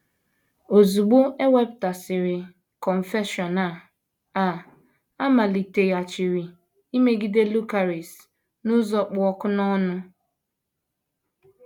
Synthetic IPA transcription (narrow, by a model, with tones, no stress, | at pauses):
o˨zu˨ɡ͡bʊ˦e˦we˦bta˨sɪ˨ɾɪ˨ | kɔ˨ɱ̩˨fe˦ʃɔ˨na˨ | a˨ | a˦ma˨li˨te˨ja˨t͡ʃɪ˨ɾi˨ | i˦me˦ɡi˦de˦lu˦ka˨ɾi˨s | nʊ˦zɔ˦k͡pʊ˨˦ɔ˦kʊ˦nɔ˦nʊ˦